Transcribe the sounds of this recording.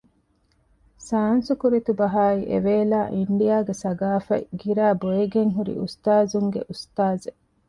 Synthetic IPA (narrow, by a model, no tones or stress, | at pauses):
saːnsukuɾit̪ubɐɦaːiʔḛʋeːlaːʔiɳɖijaːɡesɐɡaːfɐ̰ɡiɾæːboeɡeŋɦuɾḭust̪aːzuŋɡḛʔust̪aːze